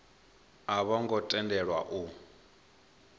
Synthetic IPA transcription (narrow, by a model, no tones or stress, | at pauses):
aβɔŋɡɔtʼɛndɛɺwa̰ʔu